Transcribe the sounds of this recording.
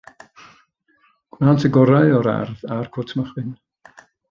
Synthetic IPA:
ɡ̥waːntʰəɡɔɾaɨɔɾa̰rðarkʰɔtʰməχwɪn

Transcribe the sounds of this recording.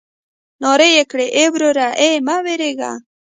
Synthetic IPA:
nɔɾejekɽeʔebɾoɾaʔemaweɾeɡa̰

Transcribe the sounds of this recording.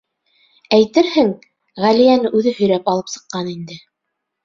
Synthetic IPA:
æjt̪ɘɾhɘŋ | ʁælijænɘʔʉðɘhɵ̆jɾæpɑlˠɤpsɤ̥̆qːɑnind̪ɘ

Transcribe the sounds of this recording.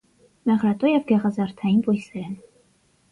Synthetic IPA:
mɛʁɾɑt̪ʼɔjɛvɡɛʁɑzɑɾt̪ʰɑinvɔjsɛɾɛn

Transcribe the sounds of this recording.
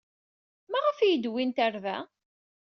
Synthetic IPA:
mæʁəfijəd̪wint̪æɾvæ̰

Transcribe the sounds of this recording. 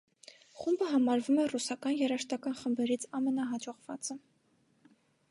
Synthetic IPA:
χumbəɦɑmɑɾvumɛrusɑkɑnjɛɾɑʃt̪ɑkɑnχəmbɛɾit͡sʰɑmɛnɑɦɑd͡ʒɔʁvɑt͡sə

